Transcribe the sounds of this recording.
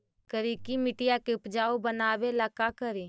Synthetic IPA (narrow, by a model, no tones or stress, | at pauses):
kəɾiːkimɪʈɪjakeʊpd͡ʒaːobənaːʋelaːkakəɾi